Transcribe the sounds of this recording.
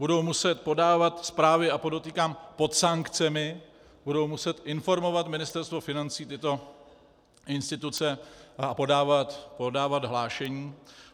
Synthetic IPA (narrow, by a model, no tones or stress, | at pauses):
budowmusɛt̪̚po̞daːvat̪spɾaːvɪapodot̪iːkaːmpo̞t̪saŋkt͡sɛmɪ | b̥udowmusɛt̪ʔɪnfo̞ɾmo̞vat̪mɪnɪst̪ɛɾst̪vo̞fɪnant͡siːt̪ɪt̪o̞ | ʔɪnst̪ɪt̪ut͡sɛapo̞daːvat̪podaːvad̪ɦlaːʃɛɲiː